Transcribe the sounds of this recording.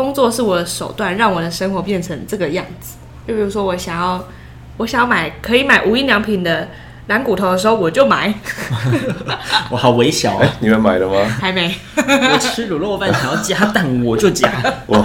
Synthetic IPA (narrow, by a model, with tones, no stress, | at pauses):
kʊ˥ŋt͡swɔ˥˧ʂɻ̩˥˩wɔ˨˩d̪ə˦ʂo˨˩ʊt̪wa˥˧nɻɑ˥˩ŋwɔ˨˩d̪ə˦ʂə˥ŋxwɔ˧˥pjɛ˥˩nʈ͡ʂʰə˧˥ŋʈ͡ʂɤ˥˩ɡə˩jɑ˥˩ŋd͡zɹ̩˩ | t͡ɕjpi˨˩u˧˥ʂwɔ˥wɔ˨˧˩ɕjɑ˨˩ŋjɑ˥˩ʊ | wɔ˧˥ɕɑ˨˩ŋjɑ˥˩ma˨˩ɪkʰɤ˧˥i˧˥ma˨˩ɪʔu˨˥i˥˧nljɑ˧˥ŋpʰi˨˩nd̪ə˦ | na˧˥nku˨˩t̪ʰo˧˥ʊd̪ə˧ʂ̬̩˧xo˥˩ʊwɔ˨˩t͡ɕjo˥˩ʊma˨˩˦ɪ | wɔ˧˦xɑ˨˩ʊwe˧˥ɪɕjɑ˨˩ʊni˨mə˧˥˩ma˨˩ɪlə˦mɐ˨xa˧˥ɪme˧˥˦ɪ | ɔ˨˩ɻ̩˥ɻu˨˩lə˥˧˨fa˥˩n˩ɕɑ̰˨˩˦jɑ˥˩t͡ɕja˥t̪a˥˩nwɔ˨˩t͡ɕjo˥˩ʊt͡ɕja˥˧